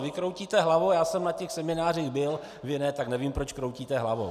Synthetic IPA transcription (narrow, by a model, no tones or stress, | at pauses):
vɪkɾowciːt̪ɛɦlavojaːsɛmnacɛxsɛmɪnaːr̝iɣbɪl | vɪnɛt̪aknɛviːmpɾot͡ʃkɾowciːt̪ɛɦlavo